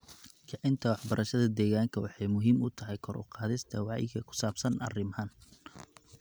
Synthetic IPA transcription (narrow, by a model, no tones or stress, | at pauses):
kʰɑʕɪnt̪ʰɐwɑħbɐɾʔɐʃɐðɐd̪ɛːɣaːŋkʰɐwɑħɑjmʊɦiːmʊt̪ʰɐɦɛjkʰɔrʔʊ̰qɑːðɪst̪ʰɐwɑʕjɪ̰ɡʰɐkʰʊ̥saːbsɐnɐ̰rɪmhɐn